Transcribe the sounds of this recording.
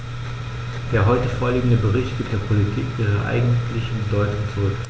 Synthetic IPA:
d̥eːɐɦɔʏtəfoːɐliːɡŋ̩dəbəʁɪçtɡ̥iːp̚td̥eːɐpʰolitʰiːkʔiːʁɐ̰ʔa̰ɪɡŋ̩tʰlɪçnbədɔʏtʊŋt͡suʁʏk

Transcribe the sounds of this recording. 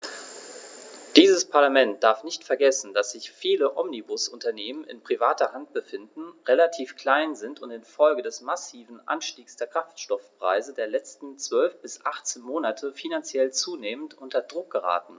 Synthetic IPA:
d̥iːzəspʰaɐlamɛnt̚d̥aɐfnɪçtfɛɐɡɛsn̩dasz̥ɪçfiːləʔɔmnibʊsʊntɐneːmənɪ̰npʁ̥ivaːtɐhant̚b̥əfɪndn̩ʁelatʰiːfkʰl̥aɪnzɪntʊntɪnfɔlɡədɛsmasiːvn̩ʔa̰nʃtiːksd̥eːɐkʁ̥aftʃtɔfpʁ̥a̰ɪzədeːɐlɛt͡stn̩t͡sv̥œlfb̥ɪsʔaχt͡seːnmoːnatʰəfinant͡sjɛlt͡suːneːməntʔʊntɐdʁʊk̚ɡ̥əʁa̰ːtn̩

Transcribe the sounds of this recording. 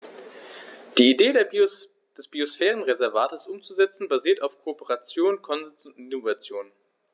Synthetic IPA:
d̥iːideːd | d̥ɛsb̥iosfɛːʁənʁezɛɐvaːtəsʔʊmt͡suzɛt͡sn̩baziːɐtaʊfkʰoːpəʁat͡sjoːnkʰɔnzɛnsʊntinovat͡sjoːn

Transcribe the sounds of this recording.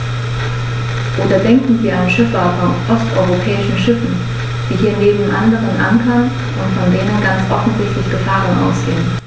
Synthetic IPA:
ʔoːdɐdɛŋkŋ̩viːɐanʃɪfɐfɔnʔɔstʔɔ̰ʏʁopʰɛːɪʃn̩ʃɪfn̩ | d̥iːɦiːɐneːbm̩ʔandəʁənʔa̰ŋkʰɐn | ʔʊntfɔndeːnənɡant͡sʔɔfn̩zɪçtlɪçɡ̥əfaːʁənʔa̰ʊsɡ̥eːən

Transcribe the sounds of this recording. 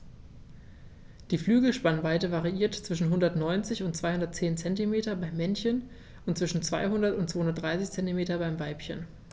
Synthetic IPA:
d̥iːflyːɡl̩ʃpanvaɪtəvaʁiʔiːɐtt͡sv̥ɪʃn̩ɦʊndɐtnɔʏnt͡sɪçʊntt͡sv̥aɪhʊndɐtt͡seːnt͡sɛntimeːtɐbaɪmːɛnçən | ʊntt͡sv̥ɪʃn̩t͡sv̥aɪhʊndɐtʊntt͡sv̥oːhʊndɐtd̥ʁaɪsɪçt͡sɛntimeːtɐbaɪmvaɪpçə̰n

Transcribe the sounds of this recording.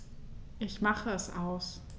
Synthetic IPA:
ʔɪçmaχəɛsʔaʊs

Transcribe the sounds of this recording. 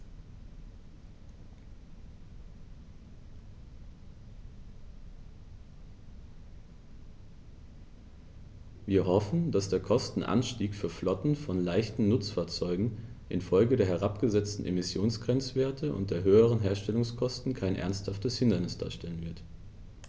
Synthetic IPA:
viːɐɦɔfn̩d̥asd̥eːɐkʰɔstn̩ʔa̰nʃtiːkfyːɐflɔtn̩fɔnlaɪçtn̩nʊt͡sfaːɐt͡sɔʏɡŋ̩ʔɪnfɔlɡədeːɐɦɛʁ̞apɡ̥əzɛt͡stn̩ʔḛmɪsjoːnsɡ̥ʁ̥ɛnt͡sv̥eːɐtʰəʔʊ̰nt̚d̥eːɐɦøːəʁ̞ənɦeːɐʃtɛlʊŋskʰɔstn̩kʰaɪnʔɛ̰ɐnsthaftəshɪndɐnɪsd̥a̰ːɐʃtɛlənvɪɐt

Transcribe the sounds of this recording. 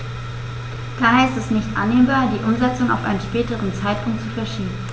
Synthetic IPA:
d̥aːɦɛɐɪstɛsnɪçtʔa̰nːeːmbaːɐdiːʔʊmzɛt͡sʊŋa̰ʊfʔa̰ɪnən̩ʃpɛːtəʁənt͡saɪtpʰʊŋk̚tt͡sufɛɐʃiːbm̩

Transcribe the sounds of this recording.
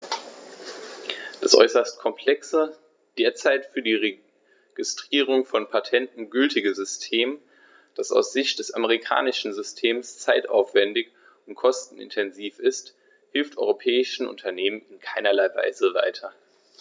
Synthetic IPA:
d̥asʔɔ̰ʏsɐst̚kʰɔmpʰl̥ɛksə | d̥eːɐt͡saɪtfyːɐdiːʁe | ɡ̥ɪstʁ̥iːʁ̞ʊŋfɔnpʰatʰɛntn̩ɡʏltʰɪɡəzʏstʰeːm | d̥asa̰ʊsz̥ɪçtd̥ɛsaməʁ̞ikʰa̰ːnɪʃn̩zʏstʰeːmst͡saɪta̰ʊfv̥ɛndɪç | ʊnt̚kʰɔstn̩ɪ̰ntʰɛnziːfɪst | hɪlftʔɔ̰ʏʁopʰɛːɪʃn̩ʔʊ̰ntʰɐneːmənɪnkʰaɪnɐlaɪva̰ɪzəva̰ɪtʰɐ

